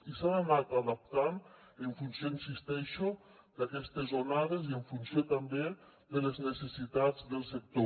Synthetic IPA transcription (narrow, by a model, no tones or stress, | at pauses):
isananat̪aðap̚t̪aneɱfunsjoinsist̪ɛʃo | d̪̥akɛst̪ezonaðezieɱfunsjot̪ambeðeleznesesit̪ad͡zðelˠsek̚t̪o